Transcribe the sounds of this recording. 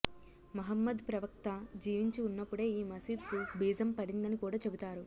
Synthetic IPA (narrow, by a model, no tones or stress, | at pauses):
mɐɦɐmːɐd̪pɾɐʋɐk̚t̪ɐd͡ʒiːʋiɲt͡ʃiunːɐpːuɽe̞ːiːmɐsiːd̪kubiːd͡ʒɐmpɐɽind̪ɐnikuːɽaːt͡ʃe̞but̪aːɾu